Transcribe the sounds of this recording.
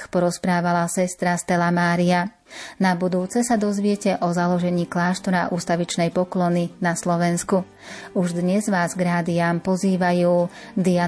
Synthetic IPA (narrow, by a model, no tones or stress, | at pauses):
xpɔɾɔspɾaːʋalasɛst̪ɾast̪ɛlamaːɾia | nabud̪uːt͡sɛsad̪ɔzʋɪɛcɛʔɔzalɔʒɛɲiːklaːʃt̪ɔɾa̰ʔuːst̪aʋit͡ʃnɛjpɔklɔninaslɔʋɛnsku | uʒd̪ɲɛzʋaːzɡɾaːd̪iaːmpɔziːʋajuː | d̪ia